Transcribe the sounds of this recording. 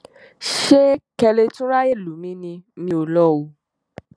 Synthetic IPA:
ʃe˦kɛ˧le˧tũ˦ɾa˦e˦˨lu˨˦mĩ˦nĩ˧˦mĩ˧o˨˧lɔ˦wu˨˧

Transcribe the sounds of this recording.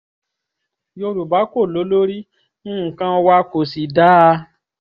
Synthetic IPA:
jo˧ɾu˨ba˨˦ko˦˨lo˨˦lo˦ɾi˦ | ũ˦˨kã˦˧wa˦ko˨si˨da˦˧

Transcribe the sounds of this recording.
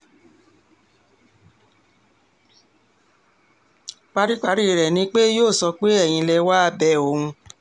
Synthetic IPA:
k͡pa˨˧ɾi˦k͡pa˨˧˦ɾi˦˨ɾɛ˨nĩ˧˦k͡pe˦joː˦˨sɔ˧k͡pe˦ɛ˦˨j̃ĩ˧lɛ˧wa˦˧˨bɛ˦˨o˨hũ˧

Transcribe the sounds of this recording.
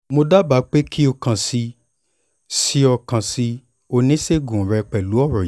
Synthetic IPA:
mo˧da˦ba˨˦k͡pe˦kʰi˦o˧kã˨si˧ | si˦ɔ˧kã˨si˧ | o˧nĩ˦se˦˨ɡũ˨ɾɛ˧k͡pɛ˨lu˨˦ɔ˦˨ɾɔ˨˦

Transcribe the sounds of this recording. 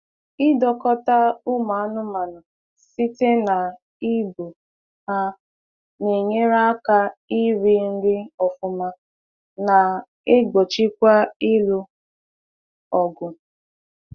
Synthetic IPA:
i˦dɔ˨kɔ˦ta˦ʊ˦ma˨a˦nʊ˦ma˨nʊ˨ | si˦te˦na˨ | i˦bu˨ | ha˦ | ne˨ɲe˦ɾa˦a˦ka˦i˦ɾi˦ŋ̩˦dɪ˦ɔ˨fʊ˦ma˦ | na˨ | e˦ɡ͡bo˨t͡ʃi˦kʷa˦i˦lʊ˦ | ɔ˨ɡʊ˨

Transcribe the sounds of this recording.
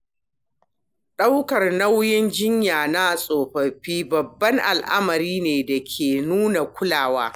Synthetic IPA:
ɗa˦wkɐ˨rna˦wjɪ˦nd͡ʒɪ˦ɲjaː˨na˦sʼoː˨ɸɐ˨ɸiː˦bɐ˨bːɐ˦ŋʔa̰˨lʔa̰˦mɐ˨ɾiː˦neː˨da˨kʲʰeː˨nuː˦na˨kʷʊ˦laː˨waː˦

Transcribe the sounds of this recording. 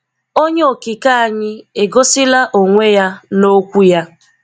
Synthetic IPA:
o˦ɲe˦o˨ki˨ka˦a˨ɲɪ˦e˨ɡo˦sɪ˦la˦ʔo˨ŋʷe˦ja˦no˦kʷu˦ja˦

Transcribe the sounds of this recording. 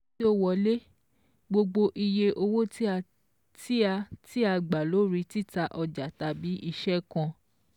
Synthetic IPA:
o˧wɔ˨le˦ | ɡ͡bo˧ɡ͡bo˧ʔi˧je˧ʔo˧wo˦ti˦a˧ | ti˦a˧ti˦a˧ɡ͡ba˨lo˨˦ɾi˧˦ti˦ta˧ʔɔ˧d͡ʒa˨ta˧bi˨˦ʔi˦˧ʃɛ˦kã˧

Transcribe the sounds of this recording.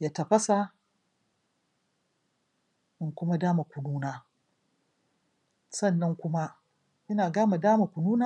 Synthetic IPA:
ja˦tɐ˨ɸɐ˦sa˨ | ʔɪ˦ŋkʷʊ˦ma˦daː˦ma˨kʷu˨nuː˦naː˦ | sɐ˦˨nːɐ˦ŋkʷʊ˦ma˦ | ʔɪ˦naː˨ɡaː˦ma˨daː˦ma˨kʷu˨nuː˦na˦

